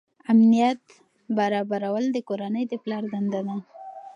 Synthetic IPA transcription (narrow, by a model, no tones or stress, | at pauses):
amnijat̪ | baɾɑbaɾawəld̪əkoɾanəjd̪əplɑɾd̪and̪ad̪a